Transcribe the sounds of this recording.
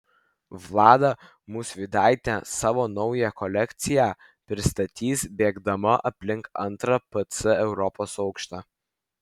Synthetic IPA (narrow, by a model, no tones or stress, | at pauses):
ʋlˠɑːd̪ɐ | muːsʋʲɪd̪ɑˑɪt̪ʲɛsɑːʋoːnɒʊjɛkɔlʲɛkʲt̪sʲɪjæː | pʲɾʲɪst̪ɐt̪ʲiːsbʲeːɡd̪ɐmɐʔɐpʲlʲɪŋkɐnt̪ɾɐpɐt̪sɪɛʊɾɔpoːsɒʊkʃt̪ɑ